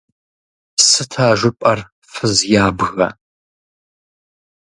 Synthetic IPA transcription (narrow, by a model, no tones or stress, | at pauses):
sɨtʰaːʒʷʊpʼɐr | fɨzjaːbɣɐ̰